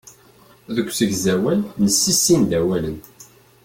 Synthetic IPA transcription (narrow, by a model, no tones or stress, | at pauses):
ðəkʷːsəʝzæwælnəsːisːind̪æwælən